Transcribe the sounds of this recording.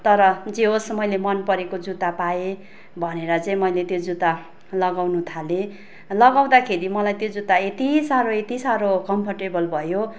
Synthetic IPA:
t̪ʌɾʌd͡zeosmʌjlemʌnpʌɾekod͡zut̪apae | bʱʌneɾʌt͡saĩmʌjlet̪jod͡zut̪a | lʌɡawnut̪ʰale | lʌɡaw̃d̪akʰeɾimʌlajt̪jod͡zut̪aet̪isaɾoet̪isaɾokʌmpʰʌʈebʌlbʱʌjo

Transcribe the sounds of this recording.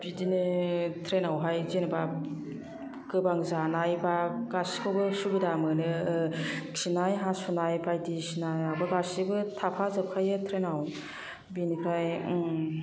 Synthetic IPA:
b̥idinɯtʰɾenawɦajzenɯba | kɯbaŋzanajbaɡasi̥kʰɔbɯsubidamɯnɯ | ksinajɦasunajpajdisinajabaɡasibɯtʰapʰazɯp̚kʰajɯtʰɾenaw | binikʰɾaj

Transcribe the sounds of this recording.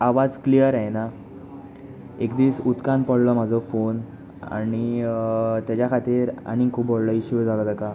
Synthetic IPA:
aʋad͡zklijəɾaena | ekd̪iːsut̪kãnpəɽlɔm̤ad͡zʱɔfon | a̰ñi | t̪jat͡ɕjakʰat̪iːɾa̰ñikʰuːpbɔɽlɔiɕud͡zʱalɔd̪aka

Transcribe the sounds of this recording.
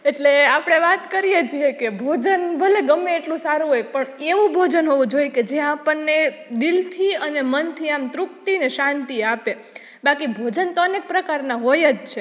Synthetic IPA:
eʈleapɽ̃eʋat̪kəɾijet͡ʃʰiekebʱod͡ʒənbʱəleɡəmːeeʈlũsaɾũɦoekpəɳeʋũbʱod͡ʒənɦoʋũd͡ʒojked͡ʒeapənːed̪ilt̪ʰiənemənt̪ʰiamt̪ɾuk̚t̪ineʃãnt̪iape | bakibʱod͡ʒənt̪onek̚pɾəkaɾnaɦojəd͡ʒt͡ʃʰe

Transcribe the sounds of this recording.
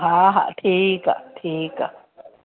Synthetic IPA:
ɦaɦa̰ʔt̪ʰika̰t̪ʰika̰

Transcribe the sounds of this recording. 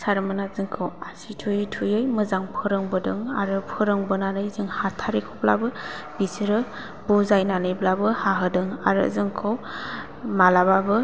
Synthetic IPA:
saɾmɯnazɯŋkʰɯwasitʰujɯjtʰujɯjmɯzaŋpʰɯɾɯŋbɯdɯŋa̰ɾɯpʰɯɾɯŋbɯnanɯjzɯŋhatʰaɾikʰobla̰bɯ | b̥isiɾɯ | buzajnanɯjblabɯhaɦɯdɯŋaɾɯ̰zɯŋkʰɯw | malababɯ

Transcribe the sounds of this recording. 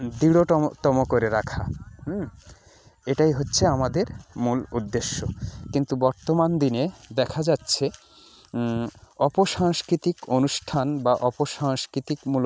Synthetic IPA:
d̪iɽot̪ɔmokoɾeɾakʰa | eʈajɦotːɕʰeamad̪eɾmulud̪ːeʃːokint̪ubɔɾt̪omand̪ined̪ɛkʰad͡ʑatːɕʰe | ɔpoʃaŋskɾit̪ikonuʃʈʰanbaʔɔpoʃaŋskɾit̪ikmul

